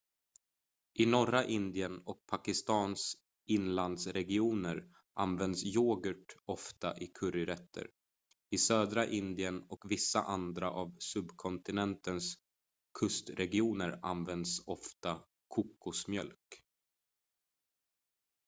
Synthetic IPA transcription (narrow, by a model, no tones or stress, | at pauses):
ʔɪnɔɾaʔɪnd̪ɪənɔk̚pʰakɪst̪ɑːns | ɪnland̪sɾɛɡɪuːnəɾ | ʔa̰nvɛnd̪sjoːɡəʈɔft̪aʔɪkʰɵɾɪɾɛt̪ʰːə̰ɾ | ɪsøːd̪ɾaʔɪnd̪ɪənɔkvɪsːa̰ʔand̪ɾa̰ʔavsɵbkʰɔnt̪ɪnɛnt̪əns | kʰɵst̪ɾɛɡɪuːnəɾa̰nvɛnd̪sɔft̪a | kʰʊkʰːʊsmjœ̰lk